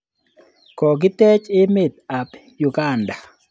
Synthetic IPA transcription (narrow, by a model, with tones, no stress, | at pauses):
kɔ˨ɡɪ˦tɛ˦t͡ʃɪ˦mɪ˨t̪̚a˨p | jʊ˨ɡa˦˨nda˨